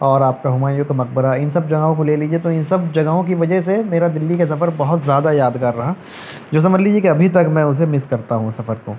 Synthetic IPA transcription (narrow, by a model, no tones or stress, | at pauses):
ɔːɾaːp̚kaɦʊmaːjokamɐq̚bəɾaɪnsɐb̚d͡ʒɐɡaɦõkoleːlid͡ʒiet̪oɪnsɐb̚d͡ʒɐɡaɦõkiʋɐd͡ʒəɦsemeːɾad̪ɪlːikas̬ɐfəɾbɐɦʊt̪zjaːd̪ajaːd̪ɡaːɾːɐɦa | d͡ʒoːs̬ɐməd͡ʒliːd͡ʒiekiɐbʱit̪̬ɐkmɛ̃ʊs̬emɪskɐɾt̪aɦũsɐfəɾkoː